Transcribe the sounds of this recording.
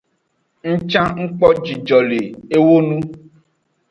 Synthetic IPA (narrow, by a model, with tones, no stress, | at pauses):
ŋ̩˦t͡ʃã˦ŋ̩˦k͡pɔ˦d͡ʒi˨d͡ʒɔ˨le˨e˦wo˦nũ˦